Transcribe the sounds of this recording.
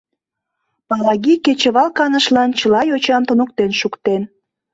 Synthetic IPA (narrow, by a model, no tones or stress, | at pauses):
pɑlɑɣiket͡ɕə̆βɑlˠkɑnəʃlɑnt͡ɕəlɑjot͡ɕɑmt̪onok̚t̪enʃukt̪en